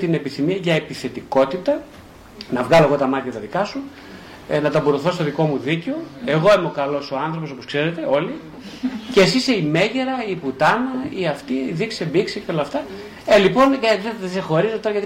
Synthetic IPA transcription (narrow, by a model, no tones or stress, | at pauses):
t̪ine̞piθimiɐʝɐepiθe̞t̪iko̞t̪it̪ɐ | nɐvɣɐlo̞eɣo̞t̪ɐmɐt̪çɐt̪ɐðikɐsu | nɐt̪ɐbuɾoθo̞st̪oðiko̞muðiceo̞e̞ɣoimeo̞kɐlo̞so̞ɐnθɾo̞po̞so̞poskse̞ɾe̞t̪e̞o̞li | cesiseime̞ʝeɾɐiput̪ɐnɐiɐft̪iðiksebikseceo̞lɐft̪ɐ | elipo̞nɐðeðsexo̞ɾizot̪o̞ɾɐɣɐt̪i